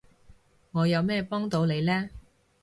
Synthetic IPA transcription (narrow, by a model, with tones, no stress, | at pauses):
ŋɔː˨˧jɐ˨˧wmɛː˥pɔː˥ŋt̪o˨˧wle˨˧jlɛː˥